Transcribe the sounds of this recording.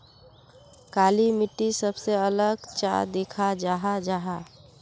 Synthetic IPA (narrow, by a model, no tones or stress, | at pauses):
kaːlimɪʈːisəbseələɡt͡ʃa̰d̪ɪkʰad͡ʒaːɦad͡ʒaːɦa